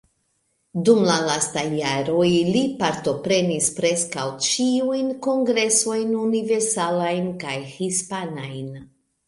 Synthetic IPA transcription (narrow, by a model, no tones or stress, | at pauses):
dumlalastajːaɾo̞jlipaɾto̞pɾe̞nispɾe̞skawt͡ʃiujnko̞ŋɡɾe̞so̞jnunive̞ɾsalajnkajhispanajn